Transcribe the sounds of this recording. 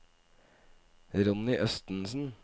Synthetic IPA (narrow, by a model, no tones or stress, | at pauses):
ɾʊnɪʔœst̪n̩sn̩